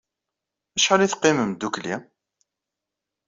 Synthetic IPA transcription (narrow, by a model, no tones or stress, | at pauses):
æʃħaliθqːiməmd̪uklḭ